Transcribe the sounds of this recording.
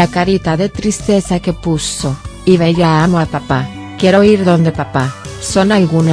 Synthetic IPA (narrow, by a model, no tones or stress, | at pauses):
akaɾit̪aðet̪ɾist̪eθakepusoiβ̞eʎaamoapapa | keɾoiɾðond̪epapasonalɣuna